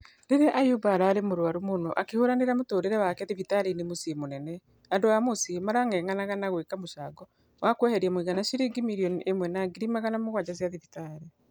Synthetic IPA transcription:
ɾeɾeʔajubaːɾaːɾemoɾwaɾomonoʔakehoɾaneɾamotoːɾeɾɛwakɛðevitaɾenemosimonɛnɛ | andoamosimaɾaŋɡɛŋanaɣanaɣwekamoʃaːɡɔ | wakwɛhɛɾiamoiɣanaʃiɾiɡimiɾiɔniʔemwɛnaɡiɾimaɣanamoɣwad͡ʑazjaðivitaɾe

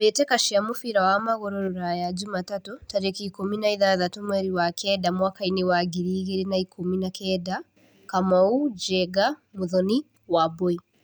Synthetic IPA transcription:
βɛtɛkaʃiamufiɾawamaɣɔɾɔɾuɾajad͡ʒumatatutaɾɛkikuminaiðaðatumwɛɾiwakɛdamwakainewaɡiɾiːɣeɾenaikuminakɛda | kamaud͡ʒɛɡamuðɔni | wabɔi

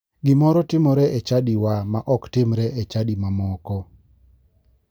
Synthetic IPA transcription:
ɡɪmɔɾɔtɪmɔɾɛʔet͡ʃadiwamaʔɔktɪmɾɛʔet͡ʃadimamɔkɔ

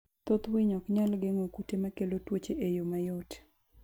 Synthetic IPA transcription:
t̪ot̪wɪɲɔkɲalɡeŋokutemakelotwot͡ʃeʔejomajot

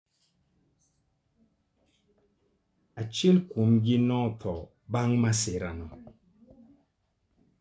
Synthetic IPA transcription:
at͡ʃilkumɡinɔtʰɔ | baŋmaseɾanɔ

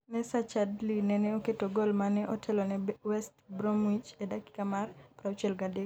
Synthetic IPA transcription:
nɛsat͡ʃadlinɛnɛoketoɡolmanɛʔɔtʰɛlɔnɛwɛstbɾɔmwit͡ʃedaki̥kamarpɾaot͡ʃɛlɡade

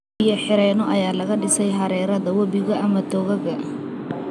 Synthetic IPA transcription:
ijɐħɪɾɛːnɔʔɐjaːlɐɣɐɖɪsɛjɦɐɾɛːɾɐðɐwɐβɪɣɐʔɐmɐt̪ʰɔːɣɐɣɐ

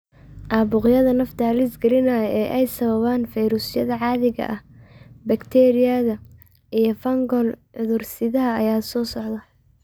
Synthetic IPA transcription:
ʔaːbʊqjɐðɐnɐft̪ʰɐhɐlisɡɐlɪnɐɐɛːʔɛjsɐβɐβaːnfɛjɾʊsjɐðɐʕɑːðɪɣɐ̰ʔɐhbɐkt̪ʰɛɾɪjɐðɐ | ʔijɞfɐŋɡɔlʕʊðʊrsɪðɐɦɐɐjaːsɔːsɔʕd̪ɐ

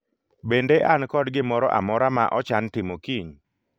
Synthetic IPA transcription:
bendeʔankɔdɡɪmɔɾɔ̰ʔa̰mɔɾamaʔɔt͡ʃantɪmokiɲ

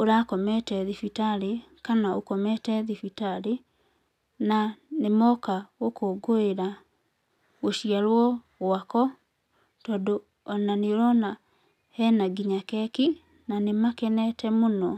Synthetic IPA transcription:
oɾakɔmɛtɛðifitaɾe | kanaokɔmɛtɛðifitaɾe | nanemɔkaɣokoɡoeɾa | ɣoɕiaɾwɔ | ɣwakɔ | tɔːndo | ɔnaneɾɔna | hɛnaɡiɲakɛki | nanemakɛnɛtɛmonɔ

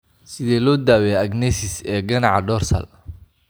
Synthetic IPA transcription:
sɪðɛːlɔːd̪aːwɛɐɡnɛsɪsɛːɡɐnɑʕɑɖɔːrsɐ̰l

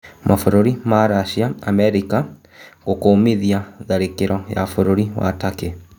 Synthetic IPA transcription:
mʔafuɾoɾimaɾaʃiaamɛɾika | kokoːmiðiaðaɾikiɾʔɔja̰fuɾuɾiwa̰takɛ

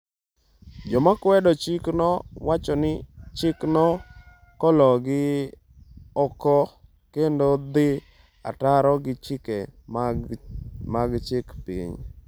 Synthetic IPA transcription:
d͡ʒɔmakwɛdɔt͡ʃiknɔwat͡ʃɔnɪt͡ʃɪknɔ | kɔlɔɡɪ | ɔkɔ | kendod̪ɪ | a̰taɾɔɡɪt͡ʃɪke | maɡt͡ʃɪkpḭɲ

